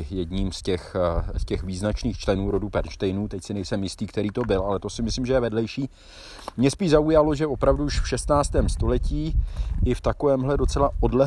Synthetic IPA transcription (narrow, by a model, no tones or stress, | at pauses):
jɛdɲiːmscɛxscɛxviːznat͡ʃniːxt͡ʃlɛnuːɾo̞dubɛɾʃt̪ɛjnuːt̪ɛcsɪnɛjsɛmjɪst̪iːkt̪ɛɾiːt̪o̞bɪlʔalɛt̪o̞sɪmɪslɪmʒɛjɛvɛdlɛjʃiː | mɲɛspiːʃʒzaujalo̞ʒɛo̞pɾavduuʃfʃɛst̪naːt͡st̪ɛːmst̪o̞lɛciːʔɪft̪ako̞vɛːmɦlɛdo̞t͡sɛlaʔo̞dlɛɦ